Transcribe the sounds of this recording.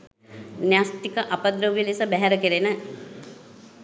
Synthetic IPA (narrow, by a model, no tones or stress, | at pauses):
njasʈ̪ikəʔapəd̪ɾəʋilisəbæɦɛɾəkeɾenə